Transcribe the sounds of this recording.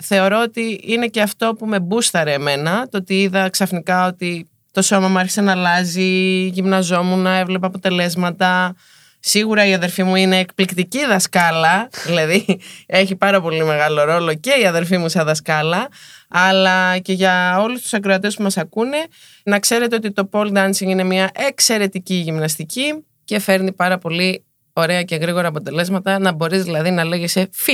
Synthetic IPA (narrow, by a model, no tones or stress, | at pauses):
θe̞o̞ɾo̞ot̪iine̞ce̞ɐft̪o̞pume̞bust̪ɐɾeme̞nɐt̪oot̪iiðɐksɐfnikɐo̞t̪i | t̪o̞so̞mɐmueɾçi̥senɐːlɐziʝimnɐzo̞munɐe̞vle̞pɐɐpo̞t̪e̞le̞zmɐt̪ɐ | siɣuɾɐiɐðe̞ɾfimuine̞ːkplikt̪iciðɐskɐlɐðilɐðie̞çipɐɾɐpo̞lime̞ɣɐlo̞ɾo̞lo̞ce̞iɐðe̞ɾfimusɐðɐskɐlɐː | lɐce̞ʝɐo̞lust̪u̥sɐkɾoɐt̪espumɐsɐkune̞ | nɐkse̞ɾe̞t̪e̞o̞t̪it̪o̞po̞ld̪ɐnsiŋine̞miɐʔe̞kse̞ɾe̞t̪iciʝimnɐst̪ici | ce̞fe̞ɾnipɐɾɐpo̞li | o̞ɾe̞ɐce̞ɣɾiɣo̞ɾɐːpo̞t̪e̞le̞zmɐt̪ɐnɐbo̞ɾizðilɐðinɐle̞ɣesefi